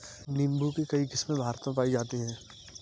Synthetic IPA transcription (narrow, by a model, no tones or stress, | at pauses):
nɪ̃mbukekɐikɪsmẽbʱaːɾt̪õp̬aːid͡ʒaːt̪iɦɛ̃ː